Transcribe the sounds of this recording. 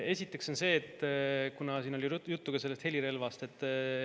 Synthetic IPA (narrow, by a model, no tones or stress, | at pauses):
e̞sʲit̪ːˑe̞kso̞nse̞ːet̪ːkunɑsiːno̞lʲijut̪ːuɡ̥ɑse̞lːest̪he̞liɾe̞lvɑst̪e̞t̪ːˑ